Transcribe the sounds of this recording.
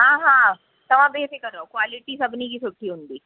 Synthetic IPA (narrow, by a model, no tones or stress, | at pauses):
ɦãːɦã | t̪ɐʋ̤ãbeːsɪkənokʋaːliʈisɐbʱnikiːsuʈʰːiɦũnd̪iː